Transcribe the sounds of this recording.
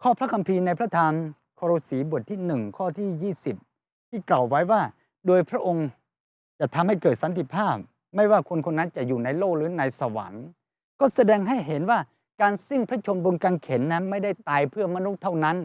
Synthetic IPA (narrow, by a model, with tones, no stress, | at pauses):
kʰɔː˥˩pʰɾa˦˥kʰa˧mpʰiː˧na˧jpʰɾa˦˥t̪ʰaː˧n | kʰoː˧ɾoː˧siː˩˦bu˨˩ət̪ʰːiː˥˩nɯ˨˩ŋkʰɔː˥˩t̪ʰiː˥˩jiː˥˩si˨˩p̚ | t̪ʰiː˥˩kla˨˩wːa˦˥jwaː˥˩ | doː˧jpʰɾa˦˥ʔo˧ŋ | t͡ɕa˨˩t̪ʰa˧mha˥˩jkɤː˨˩t̪̚sa˨˦nt̪ʰi˨˩pʰaː˥˩p̚ | ma˥˩jwaː˥˩kʰo˧nkʰo˧nːa˦˥nt͡ɕa˨˩juː˨˩na˧jloː˥˩k̚ɾɯː˩˦na˧jsa˧wa̰˩˦n | kɔː˥˩sa˧dɛː˧ŋɦa˥˩jɦe˩˦nwaː˥˩ | kaː˧nsi˥˩ŋpʰɾa˦˥t͡ɕʰo˧nbo˧ŋkaː˧nkʰe˩˦nːa˦˥nma˥˩jda˥˩jt̪aː˧jpʰɯ˥˩ɐma˧nu˦˥t̪ʰːa˥˩wna˦˥n